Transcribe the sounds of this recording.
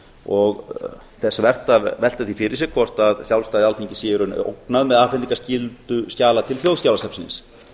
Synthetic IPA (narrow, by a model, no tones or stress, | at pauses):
ɔɣ | θɛsavɛr̥t̪avɛl̥t̪aθifɪɾɪ̥sjɛɣ̥kʰvɔr̥t̪aðsjawlst̪aːðɪalθeɲcɪsjɛɾʏno̰knaðmɛðaːfniŋkascɪlt̪ʏscaːlat̪ʰɪlθjowðscawlasɛpsɪnɪ̰ns